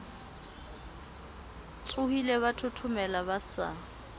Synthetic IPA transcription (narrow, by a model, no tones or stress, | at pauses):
t͡sʼʊhileβatʰʊtʰʊmɛlabasa̰